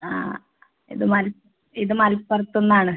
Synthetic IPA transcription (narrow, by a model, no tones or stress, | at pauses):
a̰ː | ḭðɨmɐl | iðɨmɐlpːɐrɐt̪ːunːaːɳɨ